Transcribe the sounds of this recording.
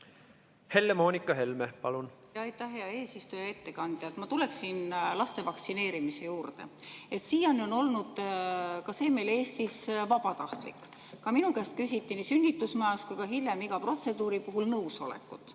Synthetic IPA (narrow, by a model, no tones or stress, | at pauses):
he̞lːemo̞ːnʲikːˑɑɦe̞lmepɑ̰lunjɑjt̪ːˑɑhːe̞ɑe̞ːsist̪ujɑe̞t̪ːe̞kɑnd̪̥jɑt̪mɑt̪ule̞ksinlɑst̪e̞vɑkt̪sine̞ːɾimise̞juːrd̪e̞̰e̞t̪siːjɑnio̞no̞lnud̪̥kɑse̞ːme̞jle̞ːst̪isvɑb̥ɑt̪ɑht̪lḭkːkɑminukæːst̪̚kys̬ʲit̪ːinisynʲːit̪ːˑusmɑjɑskujkɑɦiljemiɡ̥ɑpro̞t̪se̞d̪uːɾipuɦulnɤwso̞̰lḛkːˑut̪ːˑ